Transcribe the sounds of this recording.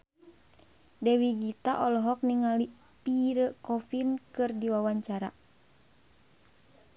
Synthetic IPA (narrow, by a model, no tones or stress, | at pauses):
dɛwiɡit̪aʔɔlɔɦɔk̚niŋali | piɾəkɔfinkɨrdiwawaɲt͡ʃaɾa̰